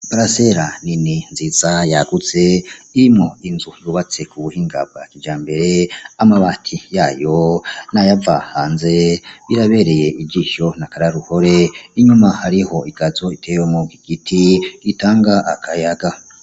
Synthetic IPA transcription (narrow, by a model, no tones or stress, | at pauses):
b̥aɾase̞ɾanininziz̥ajaɡ̥ut͡se̞iimŋo̞inzujuβat͡se̞kuβuhiːŋɡa̰bɡa̰kid͡ʒaːmbe̞ɾe̞amaβatʰijaːjonajava̰haːnze̞βiɾaβe̞ɾe̞je̞id͡ʒiʃo̞nakaɾaɾuho̞ɾe̞iɲumahaɾiho̞iɡ̥azo̞itʰe̞jomuɡiɡ̥itʰiɡ̥itaːŋɡaʔakʰajaɡa